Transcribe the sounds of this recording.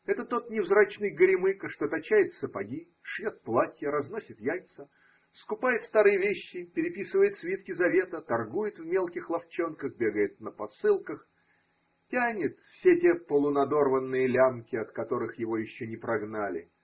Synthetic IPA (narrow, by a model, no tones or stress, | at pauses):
ɛt̪ət̪o̞t̪nʲɪvzɾat͡ɕnɨjɡəɾʲɪmɨkəʂt̪o̞t̪ɐt͡ɕæjɪt̪səpɐɡʲi | ʂjot̪̚plˠatʲjəɾɐzno̞sʲɪt̪jalʲt̪sə | skʊpajɪt̪st̪aɾɨjəvʲeɕːɪpʲɪɾʲɪpʲisɨvəjɪt̪svʲit̪̚kʲɪzɐvʲe̞t̪ət̪ɐrɡujɪt̪vmʲelˠkʲɪxlˠɐft͡ɕo̞nkəxbʲe̞ɡəjɪt̪̚nəpɐsɨlˠkəx | tʲanʲɪt̪fsʲetʲepəlˠʊnɐd̪o̞rvənːɨjəlʲamkʲɪɐt̪kɐt̪o̞ɾɨxjɪvo̞jɪɕːonʲɪpɾɐɡnalʲɪ̰